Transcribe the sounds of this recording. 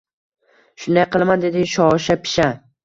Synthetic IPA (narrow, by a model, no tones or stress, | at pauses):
ʃʊnd̪ajqɨlˠmand̪e̞d̪ɪʃɒʃapʰɪ̥ʃa